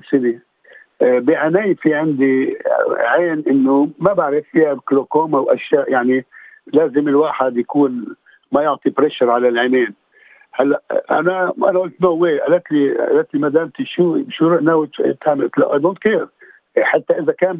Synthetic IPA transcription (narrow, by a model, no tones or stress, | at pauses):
sɪni | biʕanaːjfiʕɪnd̪i | ʕeːnʔɪnːomabaʕɾɪfːihabklokoːmawʔaʃjaːʔjaʕnilaːzɪmɪlwaːħad̪jakuːn | majʊʕt̪ˤipɾeːʃɑɾˤʕalalʕeneːn | halːaʔʔa̰naʔa̰naʔʊlt̪nowːeʔa̰lat̪liʔa̰lat̪limad̪aːmt̪iʃuːʃuɾˤʔnawt̪hamɪt̪la̰ʔad̪uːnk̪iːɾ | ħat̪ːaʔɪzakaːn